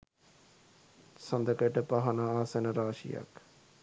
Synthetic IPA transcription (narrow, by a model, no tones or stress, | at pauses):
sɐnd̪əkəʈəpaɦɐnaaːsenəɾaːʃḭja̰k